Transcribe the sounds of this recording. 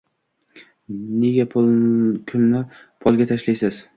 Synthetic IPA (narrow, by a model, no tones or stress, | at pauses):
neɡʲapʰokʲʰʊmnɪpʰɒlˠɡʲat̪ʰaʃlajsaz̥